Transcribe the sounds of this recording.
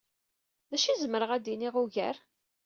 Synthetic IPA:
ðæʃizəməɾəʁæd̪iniʁuʝæ̰ɾ

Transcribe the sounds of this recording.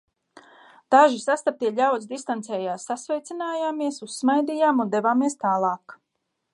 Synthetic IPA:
d̪̥aʒisast̪ap̚t̪iɛʎʲawt̪sd̪ist̪ant̪sɛːjaːsːasvɛjt̪sinaːjaːmiɛsusːmajd̪iːjaːmund̪evaːmiɛst̪aːlˠɑːk

